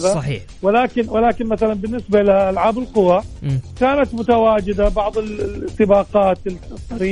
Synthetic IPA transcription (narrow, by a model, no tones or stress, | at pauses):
ðaiː | wɪlaːkɪnwɪlaːkɪnmaθalanbɪnːɪsbaɪlɪʔalʕaːbɪlqʊwakaːnat̪mʊt̪awaːd͡ʒɪd̪abɑʕðˤɨlɪsːɪbɑːqɑːt̪t̪ˤːɑɾiː